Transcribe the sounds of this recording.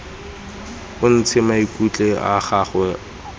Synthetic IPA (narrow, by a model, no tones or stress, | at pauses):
ʊn̩t͡sʰɪmaikʼut͡ɬʼea̰χaːχwɛ